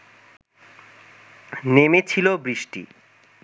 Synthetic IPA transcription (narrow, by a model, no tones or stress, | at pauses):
nemet͡ɕʰilobɾiʃʈḭ